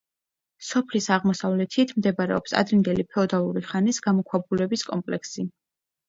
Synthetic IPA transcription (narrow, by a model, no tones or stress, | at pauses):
sɔpʰlisaʁmɔsavlɛt̪ʰit̪ʰmd̪ɛbɾɛ̰ɔpsa̰d̪ɾind̪ɛlipʰɛɔd̪alˠuɾiχanisɡamɔkʰwabulɛbiskʼɔmpʼlɛksi